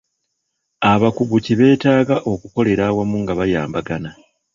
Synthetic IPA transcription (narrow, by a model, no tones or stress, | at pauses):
aβakuɡuciβe̞ːtaːɡaʔo̞kuko̞le̞ɾaːwamuŋɡaβaja̰ːmbaɡana